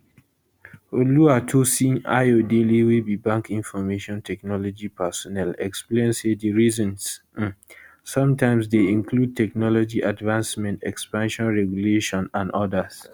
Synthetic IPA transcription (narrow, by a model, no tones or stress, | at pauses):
oluatʰosĩŋa̰ɪodeliwibibãŋkʰĩnfɔmeʃɔ̃ntʰɛknɔlɔd͡ʒipʰɛsɔnɛlɛksplẽnsediɹizɔ̃ns | ɔ̃mtãɪ̃msdeĩŋkʰlud̚tʰɛk̚nɔlɔd͡ʒiʔadvãnsmɛ̃ntʰɛkspãnʃɔ̃nɹɛɡjuleʃɔ̃nãnɔdəs